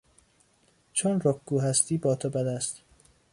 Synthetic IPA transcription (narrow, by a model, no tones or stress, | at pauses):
t͡ʃʰonrokɡuːɦæst̪iːbɒːt̪ʰobæd̪æst̪